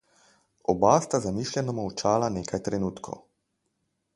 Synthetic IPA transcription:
ɔbast̪azamiːʃljɛnɔmɔwt͡ʃaːlaneːkajt̪ɾɛnuːt̪kʰo̰w

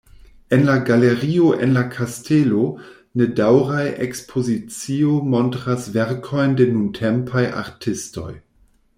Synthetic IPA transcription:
enlaɡaleɾioʔenlakʰastʰelo | nedawɾajʔḛkspʰozit͡siomontɾasveɾkʰo̞jndenuntʰempʰaja̰ɾtʰɪsto̞̰j

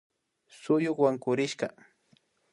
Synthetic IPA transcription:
sʊjʊkwaŋkʊɾɪʃka̰

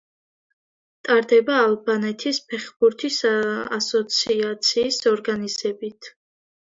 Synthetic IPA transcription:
t̪ʼaɾd̪ɛbaːlˠbanɛt̪ʰispʰɛχbuɾt̪ʰisa̰sɔt̪sʰiat̪sʰiːsɔɾɡanizɛbit̪ʰ

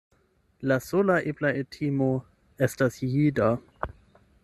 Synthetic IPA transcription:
lasolaʔiblaetʰimo | estasjida

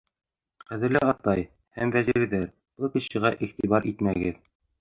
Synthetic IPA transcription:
χæðɘ̆ɾlɘɑt̪ɑj | hæmvæziɾðæɾ | b̥ɤlˠkĭɕɤ̆ʁɑʔiχt̪iβɑɾʔit̪mæɡɘð

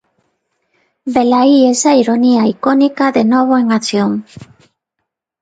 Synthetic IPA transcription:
belaiesaiɾoniaikonikaðenoβ̞oeŋat͡sioŋ

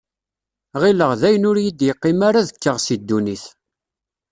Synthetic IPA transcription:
ʁiləʁðæjənʊɾjid̪jəqːɪmaɾaðəkːəʁsid̪ːuniθ

